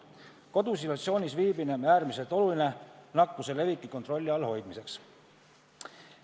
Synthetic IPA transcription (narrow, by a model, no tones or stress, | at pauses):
ko̞d̪̥usilɑt̪sio̞ːnʲisviːbineæːɾmise̞lt̪ˑo̞luline̞nɑkːuse̞le̞vikːˑiko̞nt̪ro̞lʲːiɑlho̞jd̪̥mise̞ks